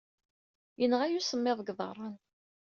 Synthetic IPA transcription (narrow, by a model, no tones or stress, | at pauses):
jənʁæjusəmːɪðˤɡðˤɑ̰ɾˤɑn